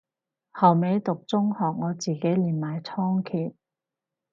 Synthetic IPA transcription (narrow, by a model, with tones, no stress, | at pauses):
hɐ˨˩wme˨˧jt̪ʊ˨k̚t͡sʊ˥ŋhɔː˨˩k̚ŋɔː˨˧t͡siː˨ke˨˥jliː˨˩nmaː˨jt͡sʰɔː˥ŋkʰiː˨˩t̚